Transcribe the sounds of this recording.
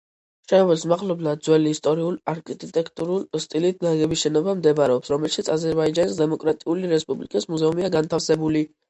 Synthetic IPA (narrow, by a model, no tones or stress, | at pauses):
ʃɛvɛlsmaʁlɔblad̪̚zwɛliːst̪ʼɔɾiulaɾkʼit̪ʼit̪ʼɛkʰʼt̪ʼuɾulˠst̪ʼilit̪̚ʰnaɡɛbisʃɛnɔbamd̪ɛbɾɛɔpsɾɔmɛlʃit̪sʰazɛɾbaid͡ʒanisd̪ɛmɔkʼɾat̪ʼiuliɾɛspʼublikʼismuzɛumiaɡant̪ʰafsɛbuli